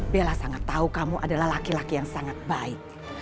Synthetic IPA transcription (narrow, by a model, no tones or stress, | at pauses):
belasaŋat̪ːaukamuʔadalahlakilakijaŋsaŋat̪̚baɪk̚